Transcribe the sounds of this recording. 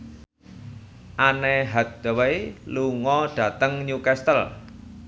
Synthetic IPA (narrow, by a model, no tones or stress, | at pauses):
ʔaneɦat̪̚d̪̥əwejluŋɔɖ̥ä̤t̪əŋɲukɛst̪əl